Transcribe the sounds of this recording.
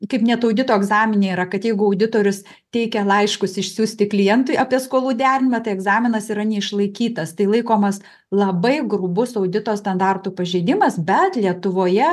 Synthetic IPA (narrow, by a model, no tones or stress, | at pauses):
kɐɪpnʲɛt̪ɐʊdʲɪt̪oːɛɡzɑːmʲɪnʲɛɪɾɐkɐt̪jɛɪɡʊɐʊd̪ʲɪt̪oːɾʲʊs | t̪ʲɛɪkʲɛlˠɐɪʃkʊsɪʃʲsʲuːsʲt̪ʲɪklʲɪjɛnt̪ʊɪɐpʲiɛskoːlˠuːd̪ʲæːɾʲɪnʲɪmɐt̪ɐɪɛɡzɑːmʲɪnɐsɪɾɐnʲɛɪʃlˠɐɪkʲiːt̪ɐst̪ɐɪlˠɐɪkoːmɐs | lˠɐbɐɪɡrʊbʊsɐʊd̪ʲɪt̪oːst̪ɐnd̪ɑːrt̪upɐʒʲɛɪd̪ʲɪmɐsbʲɛt̪lʲiɛt̪ʊʋoːjɛ